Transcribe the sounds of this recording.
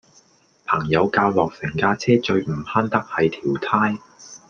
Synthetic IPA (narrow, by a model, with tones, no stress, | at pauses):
pʰɐː˨˩ŋjɐ˨˧wkaː˧wlɔː˨k̚sɪ˨˩ŋkaː˧t͡sʰɛː˥t͡ʃɵ˧ɥm̩˨˩haː˥nt̪ɐ˥k̚hɐ˨jt̪ʰiː˨˩wt̪ʰaː˥j